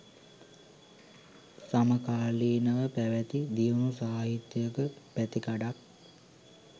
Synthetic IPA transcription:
saməkaːliːnəʋəpæʋɛt̪id̪ijonusaːɦit̪jəjəkəpæt̪ikaɖak̚

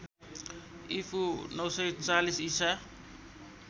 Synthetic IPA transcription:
ipʰunʌwsʌjt͡salisisa

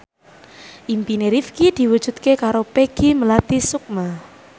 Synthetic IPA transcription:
ʔimpineɾifkid̪̥i̤wud̥ʒ̥ṳt̪̚kekaɾopeɡ̥iməlat̪isuk̚ma

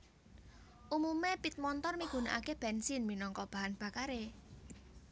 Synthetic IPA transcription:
ʔumumepit̪̚mɔnt̪ɔrmiɡ̥ṳnaʔakeb̥ɛnsɪnminɔŋkɔb̥a̤ɦanb̥a̤kaɾe

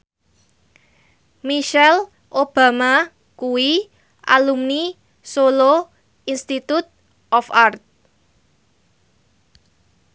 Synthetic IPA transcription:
miʃɛl | ʔob̥a̤ma | kuwi | ʔa̰lumni | solo | inst̪it̪ut̪̚ | ʔɔfart̪̚

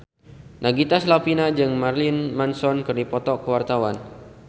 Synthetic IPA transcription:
nʔaɡit̪aslapinad͡ʒɨŋmarlinmansɔnkɨrdipɔt̪ɔkəwart̪awan

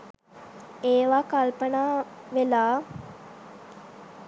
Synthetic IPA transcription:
eːʋakalpənaːʋelaː

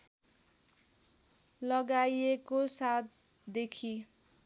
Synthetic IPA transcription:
lʌɡajekosat̪̚ | d̪ekʰi

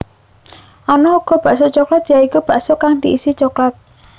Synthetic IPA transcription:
ʔanɔuɡ̥ɔ̤b̥a̤ʔsot͡ʃɔklat̪̚jaikub̥a̤ʔsokaŋd̪̥iʔisit͡ʃɔklat̪̚

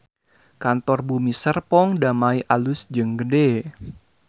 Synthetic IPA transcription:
kant̪ɔrbumisərpɔŋdamaiʔalʊsd͡ʒəŋɡəde

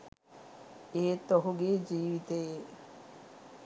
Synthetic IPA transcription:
eːt̪oɦuɡeːd͡ʒiːʋit̪eje

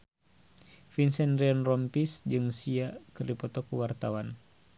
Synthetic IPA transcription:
finsɛnriɔnrɔmpisd͡ʒɨŋsiakɨrdipɔt̪ɔkuwart̪awan

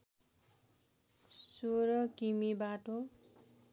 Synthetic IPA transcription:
soɾʌkimibaʈo

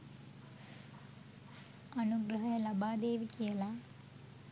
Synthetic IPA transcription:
ɐnuɡɾɐɦɐjɐlɐbaːd̪eːʋikijɐlaː

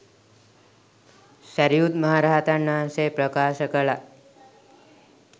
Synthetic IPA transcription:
səɾjud̪məɦaɾaɦt̪anːasepɾəkaʃəkəɭa

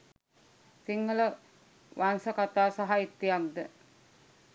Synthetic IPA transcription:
siŋːələ | ʋansəkat̪aːsaɦait̪ːijak̚d̪ə

